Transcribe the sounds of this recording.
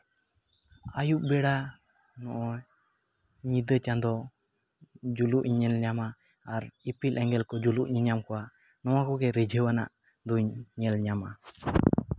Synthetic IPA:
ajuʔ̚bɛɽa | nɔʔɔ | ɲid̪ət͡ʃand̪ɔ | d͡ʒuluʔɲɲɛlɲamaː | ɾipilɛŋɡɛlkɔd͡ʒuluʔɲiɲamkɔwa | nɔwakɔɡɛɾɛd͡ʒʱəwana̰ʔ | d̪uɲɲɛlɲama̰

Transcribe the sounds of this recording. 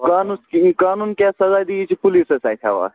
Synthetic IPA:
kaːnuskikaːnuːnkjaːsɐzaːd̪iit͡ʃʰipulisɐsaːjt̪ʲʰa̰ːʋa̰ː

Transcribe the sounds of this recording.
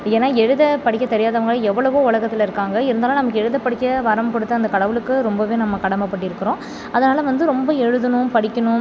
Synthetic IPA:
eːnːaːɛɻɯðɐpɐɽɪkʲːɐt̪ːɛɾɪjaːðɐʋɐŋɡɐɭɐɛʋːɐɭɐʋoːʊɭɐɣɐt̪ːɪlɐɪɾɯkːaːŋɡɐɪɾɯnd̪aːlãnɐmɐkːɯɛɻɯðɐpːɐɽɪkːɐʋɐɾɐmkʊɽɯt̪ːɯɐnd̪ɐkɐɽɐʋɯlɯkːɯɾɔmbɐʋeːnɐmːɐkɐɽɐmɐpːɐʈːɪɾɯkːɐɾõː | ɐðɐnaːlɐʋɐnd̪ɯɾɔmbɐɛɻɯðɯnʊ̃pɐɽɪkʲːɐnʊ̃

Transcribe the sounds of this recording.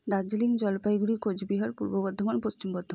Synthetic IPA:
d̪ad͡ʑeliŋd͡ʑɔlpajɡuɽikod͡ʑbiɦaɾpuɾbobɔd̪ʱːomanpost͡ɕimbɔd̪ʱːo

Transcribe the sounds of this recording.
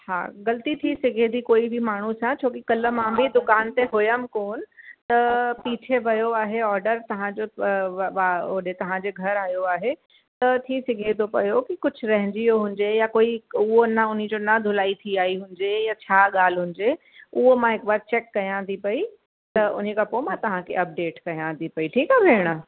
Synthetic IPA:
ha̰ːɣɐlt̪it̪ʰisɪɡʱẽd̪ikoːibʱimaːɳ̤usãt͡ɕʰoːkikɐlə̆mãbʱɪd̪ʊkaːnt̪eɦʊjəmkoːnɪ̆t̪ɐpiːt͡ɕʰeʋɐjoaːɦeɔːɾɖəɾt̪ɐʋ̤ãd͡ʑoːɐʋaɗet̪ɐʋ̤ãd͡ʑeːɡʱɐɾaːɦijoaːɦe | t̪ɐt̪ʰisɪɡʱet̪ʰopɐ̰jokikʊd͡ʑʱʊ̆ɾɐɦɪ̃ɲd͡ʑijoɦʊ̃ɲd͡ʑejakoːiʊɦonəʊn̤id͡ʑoːnɐd̪ʱʊlaːit̪ʰiaːiɦʊ̃ɲd͡ʑejat͡ɕʰaːɠaːl̤ɦʊ̃ɲ̆d͡ʑe | ʊɦomãɦɪkbaːɾt͡ɕeːkːɐjãt̪ʰipɐi | t̪ɐʊ̰n̤ekɐpomãt̪ɐʋ̤ãkʰḛɐp̚ɖeːʈkɐjãt̪ʰipɐiʈʰiːkabʱeːɽ̃ə

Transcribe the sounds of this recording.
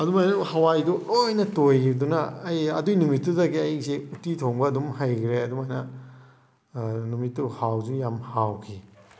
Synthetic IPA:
ɐdumajnɐhɐwajduojnɐtojdunɐːjɐdujnumitːuzɐɡiɐjsiutitʰoŋbɐːdumhajkʰɾeɐdumajnɐ | numitːuhawd͡ʒujamhawkʰi

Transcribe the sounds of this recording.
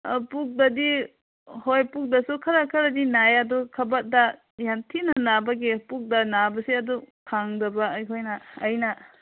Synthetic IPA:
puk̚dadi | hojpuk̚dɐsukʰɐɾakʰɐɾadinajadɔkʰɐbat̚da | jantʰinanabɐɡepuk̚danabɐsiɐdɔkʰaŋdɐbajɦojnaːjna

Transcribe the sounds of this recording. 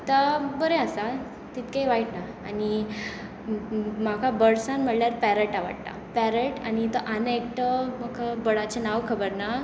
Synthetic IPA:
t̪abəɾeasa | t̪it̪kajʋaiʈnaːni | makʰabəɽsãnm̤əʈljaɾpɛɾəʈaʋə̰ɽt̪a̰pɛɾəʈañit̪əʔanekʈəmakʰabəɽat͡ɕenaʋkʰəbəɾna

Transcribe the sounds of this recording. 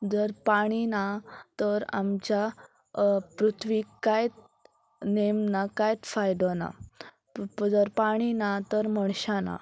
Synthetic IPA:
d͡zəɾpaɽ̃inat̪əɾa̰mt͡ɕja | pɾut̪ʰʋikkajt̪ | nemnakajt̪fajd̪ɔna̰ | d͡zəɾpaɽ̃inat̪əɾməɳ̃ɕana̰

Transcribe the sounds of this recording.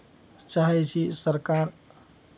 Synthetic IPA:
t͡ʃaːɦɛt͡ʃʰisəɾkaːɾ

